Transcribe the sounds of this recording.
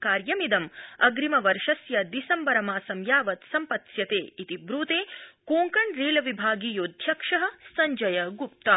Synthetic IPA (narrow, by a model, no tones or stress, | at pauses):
kaːɾjɐmid̪ɐmɐɡɾimɐʋɐɾʂɐsjɐd̪isɐmbɐɾɐmaːsɐmjaːʋɐt̪sɐmpɐt̪sjɐt̪eːit̪ibɾuːt̪eːkoːŋkɐɳɾeːlɐʋibʱaːɡiːjoːd̪ʱjɐkʂɐɦɐ̆sɐɲd͡ʒɐjɐɡup̚t̪ɐ